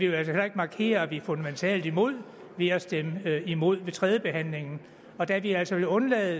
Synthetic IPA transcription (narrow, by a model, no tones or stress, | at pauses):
ʋijælsɒhelɐe̝ɡ̥mɑ̈ːkʰe̝̰ːɐʋifɔ̽nd̥æment͡sʰɛ̰ːld̥imo̝ð̞̰ˠ | ʋeɒsd̥emimo̝ð̞̰ˠʋe̝t͡sʰʁɛðˠjəb̥e̝ɦæn̰le̝ŋn̩ | ɒ̽d̥æʋiæl̰sɒʋelɔ̽nlɛːð̩ˠ